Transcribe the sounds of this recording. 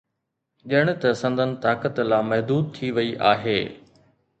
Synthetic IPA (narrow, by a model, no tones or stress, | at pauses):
ʄɪəɽ̃̆t̪ɐsɐ̃nd̪ʱənɪ̆t̪aːkət̪laːmɐɦd̪uːd̪̚t̪ʰiʋɐiʔaːɦeː